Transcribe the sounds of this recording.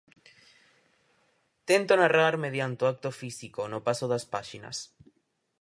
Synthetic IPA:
t̪ent̪onaraɾmeð̞jant̪eoak̚t̪ofisikonopasoðaspaʃina̰s

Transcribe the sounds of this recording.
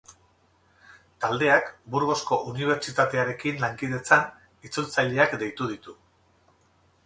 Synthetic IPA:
t̪ald̪e̞akbuɾɣo̞sko̞ʔuniβ̞e̞ɾt͡ʃit̪at̪e̞aɾe̞kinlaŋkið̞e̞t͡san | it͡sult͡saʎe̞akd̪e̞jt̪uð̞it̪u

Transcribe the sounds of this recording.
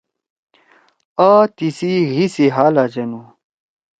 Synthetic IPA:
aːt̪isiɣisiɦaːlad͡ʑenu

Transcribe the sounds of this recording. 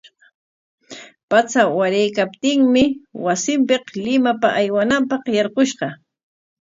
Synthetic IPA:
pat͡sawaɾajkap̚t̪ɪŋmɪwasɪmpɪqlɪmapaʔajwanampɑqjɑɾqoʃɢɑ

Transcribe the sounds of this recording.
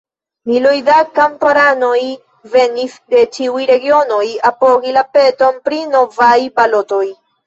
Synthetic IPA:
milojdakampaɾano̞j | ve̞nisde̞t͡ʃiujɾe̞ɡio̞no̞japo̞ɡilape̞to̞npɾino̞vajpalo̞to̞j

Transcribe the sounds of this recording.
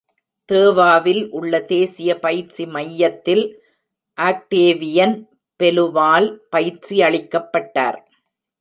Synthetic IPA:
t̪eːʋaːʋɪlʔʊɭːɐt̪eːsɪjɐpɐjɪɾt͡ʃimɐjːɐt̪ːɪl | ʔaːk̚ʈeːʋɪjɐn | pɛlɯʋaːlpɐjɪɾt͡ʃiɐɭɪkːɐpːɐʈːa̰ːɾ

